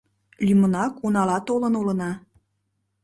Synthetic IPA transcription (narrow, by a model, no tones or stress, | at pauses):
lʲymənɑkunɑlɑt̪olənulə̆nɑ